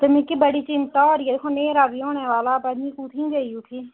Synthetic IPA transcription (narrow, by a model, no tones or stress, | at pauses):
t̪emɪkibəɽiːt͡ʃɪnt̪aoːɾijed̪eːkʰõneːɾaɡiːoːneːʋaːlaːbɐd̪ĩːkut̪ʰĩːd͡ʒɐiʊʈʰiː